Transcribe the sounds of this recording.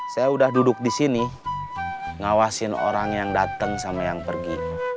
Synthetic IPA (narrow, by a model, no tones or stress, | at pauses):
sajaudahdudʊk̚disini | ŋawasɪno̰ɾaŋjaŋdat̪əŋsamajaŋpərɡi